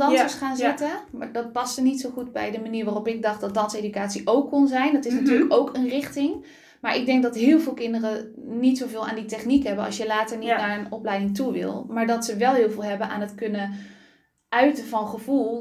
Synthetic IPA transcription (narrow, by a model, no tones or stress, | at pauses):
dɑəsχaːnzɪtədɑt̚pɑstəɹnitsowχudbɛ̰jdəmaniːɹʋaːrɔpɪɡ̚dɑχdɑt̚dɑnsejdykaːtsiʔowkːonzɛjndɑtɪsnatyːlɹləkowkʰənrɪχtɪŋ | maːɹʔɪɡ̚dɛŋk̚dɑtɦɪːlˠvɪːlˠkɪndərənitsowvɪːlˠa̰ːnditɛχnikɦɛbənɑ̰lˠsjəlaːtəɹnitnaːɹənɔplɛjdɪŋtuʋɪ̰lˠmaːɹdɑtsəʋɛlˠɦɪːlˠvɪːlˠɦɛbənʔa̰ːnɦətkɵnə | ʔœɥtəvɑnχəv̥ulˠ